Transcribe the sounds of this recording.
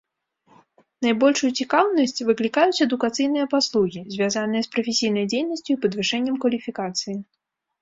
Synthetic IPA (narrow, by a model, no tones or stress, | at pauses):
najbɔlʲʂujut͡sʲikawnɐsʲt͡sʲvɨklʲikajut͡sʲɛd̪ukat̪sɨjn̪ɨjɐpaslˠuɣʲizʲvʲjazanɨjɐspɾɐfʲesʲijn̪ɐjd͡zʲejnɐsʲt͡sʲuipɐd̪vɨʂɛnʲːɛmkvɐlʲifʲikat̪sɨji